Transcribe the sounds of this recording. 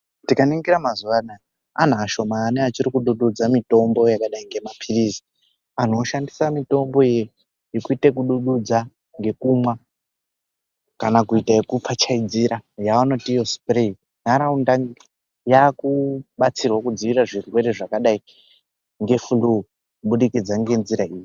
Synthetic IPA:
tikaniŋɡiɾamazuʋana | a̰n̤aːʃo̞maːneat͡ʃiɾikuɗuɗud͡zamito̞mbo̞jakaɗaiŋɡe̞mapʰirisi̥ | an̤o̞ʃandisamito̞mbo̞ije | jekuitek̬uɗuɗud͡za | ŋɡe̞kumwa | kanakuitaekup͡fat͡ʃaid͡ziɾajaano̞tijo̞spre | naɾaundaŋ | jakuɓat͡sirwakud͡ziʋiɾaʐirwe̞ɾe̞ʐakaɗai | ŋɡe̞fulu | kuɓuɗikid͡zaŋɡe̞nziɾaiːji

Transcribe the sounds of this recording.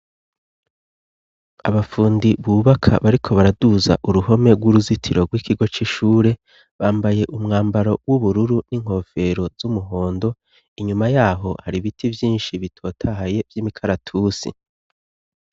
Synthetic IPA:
a̰βafuːndiβuːβakʰa̰βaɾikʰo̞βaɾaduza̰ʔuɾuho̞me̞ɡwuɾuzitʰiɾo̞ɡwikiɡo̞t͡ʃiʃuːɾe̞ | βaːmbaje̞ʔumŋaːmbaɾo̞wuβuɾuɾuniŋ̥ho̞fe̞ɾo̞zz̥umuɦo̞ːndo̞ | iɲumajaːɦo̞haɾiβitʰivjiːnʃiβitʰo̞ːtʰahaje̞vjiːmikʰaɾatʰusḭ

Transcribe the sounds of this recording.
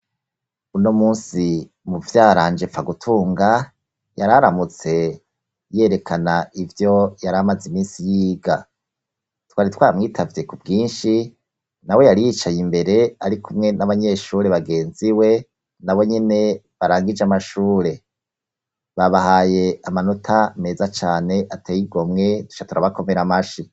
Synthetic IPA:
unomuːnsi | muvjaːɾaːnd͡ʒe̞faɡutʰuːŋɡa | jaɾaɾamut͡se̞ | je̞ɾe̞kʰanaivjo̞jaɾamazimiːnsijiːɡa | twaːɾitwaːɾamŋiːtʰavje̞kubɡiːnʃi | nawe̞jaɾijit͡ʃajimbe̞ɾe̞aɾikʰumŋe̞naβaɲe̞ʃuːɾe̞βaɡe̞ːnziwe̞ | naβo̞ɲene̞βaɾaːŋɡid͡ʒamaʃuːɾe̞ | βaβahaːje̞amano̞tʰame̞ːzat͡ʃaːne̞ʔatejiɡo̞mŋe̞tu̥t͡ʃatuɾaβako̞me̞ɾamaʃi

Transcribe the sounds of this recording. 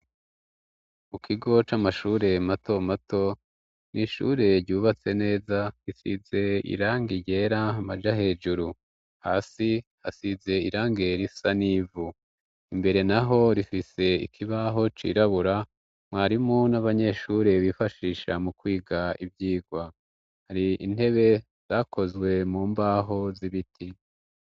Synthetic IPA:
mukʰiɡo̞t͡ʃamaʃuːɾe̞mato̞mato̞ | nʔiʃṵɾe̞ɾɟuːβat͡se̞ne̞ːzaɾisize̞ḭɾaːŋɡiɟe̞ːɾamad͡ʒaɦe̞ːd͡ʒuɾu | haːsihasize̞iɾaːŋɡeɾisaniːvu | imbe̞ɾe̞naɦo̞ɾifise̞ḭkʰiβaɦo̞t͡ʃḭːɾaβuɾa | mwaːɾimunaβaɲe̞ʃuɾeβifaʃiːʃamukwiːɡaibjiːɡwa | haɾiin̥e̞βe̞ | z̥aːkʰo̞zwe̞muːmbaːɦo̞ziβitʰi

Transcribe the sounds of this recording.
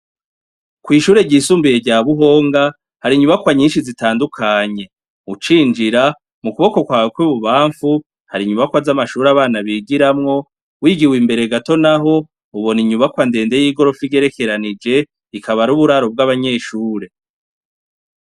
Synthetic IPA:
kwiːʃuːɾe̞ɟiːsuːmbijeɟaβuɦo̞ːŋɡa | haɾiɲuβakwaɲiːnʃizitaːndukʰaɲe̞ | ut͡ʃiːnd͡ʒiɾa | mukuβo̞ko̞kwaːkwiβuβaːɱfu | haɾiɲuβakwazamaʃuːɾaβaːnaβiːɡiɾamŋo̞ | wiːɡiwimbe̞ɾe̞ɡato̞naɦo̞ | uβo̞niɲuβakwande̞ːnde̞jiɡo̞ɾo̞fiɡɟe̞ɾe̞ke̞ɾanid͡ʒe̞ | ikʰaβaɾuβuɾaɾo̞b̚ɡaβaɲe̞ːʃuːɾe̞

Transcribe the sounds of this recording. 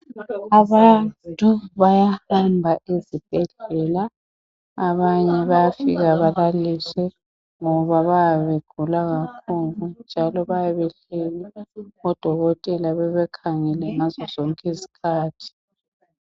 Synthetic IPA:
aβantʼuβajahambʱaʔezib̥ʱɛɮɛlaː | βaɲɛβajafḭɣaβaðalisɛ | ŋɔβaβajaβeɡ̥ʱulaɣakʰulund͡ʒʱalɔβajaβɛɬɛliɔd̥ʱɔɣɔtʼɛlaβɛβɛkʰaŋɛlɛŋazɔzɔŋkʼezi̥kʰaːtʰi̥

